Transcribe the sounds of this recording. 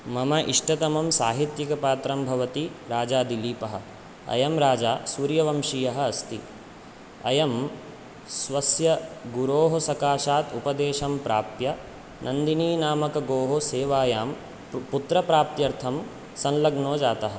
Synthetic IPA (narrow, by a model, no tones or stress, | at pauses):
mɐmɐʔiʂʈɐt̪ɐmɐmsaːɦit̪jɐkɐpaːt̪ɾɐmbʱɐʋɐt̪iɾaːd͡ʒaːd̪iliːpɐɦɐ̰̆ | ɐ̰jɐmɾaːd͡ʒaːsuːɾjɐʋɐmʃijɐɦɐɐst̪i | ɐjɐm | sʋɐsjɐɡuɾoːɦɐsɐkaːʃaːt̪upɐd̪eːʃɐmpɾa̰ːp̚t̪jɐ | nʔɐnd̪iniːnaːmɐkɐɡoːɦoseːʋaːjaːm | put̪ɾɐpɾaːp̚t̪jɐɾt̪ʰɐm | sɐnlɐɡnoːd͡ʒaːt̪ɐɦɐ̆